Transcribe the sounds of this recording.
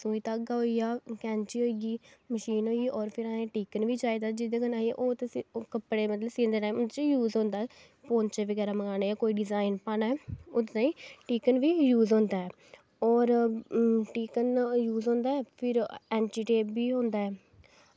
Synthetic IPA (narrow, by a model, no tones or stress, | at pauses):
suːiːt̪aːɡaːɦoːijaːkɛ̃ːnt͡ʃiːɦoːiːɡiːməʃiːnɦoːiɡiːʔɔːɾpʰɪɾãːẽːʈiːkənʋiːt͡ʃaːiːd̪aːd͡ʒɪd̪eːɡənaːiḛʔoːt̪ekəpɽeːmət̪ləbsĩːnd̪eːʈaːimʊd̪t͡ʃjuːzõːnd̪aːɛ | poːnt͡ʃeʋəɡɛːɾaːməŋaːnaːjaːkoːiːɖɪzaːɪnpaːnaːɛːʊt̪d̪ãːĩːʈiːkənʋiːjuːzɦõːnd̪aːɛː | ɔːɾ | ʈiːkənjuːzɦõːnd̪aːɛːpʰɪɾɛːnʈiːʈeːpʋiːɦõːnd̪aːɛː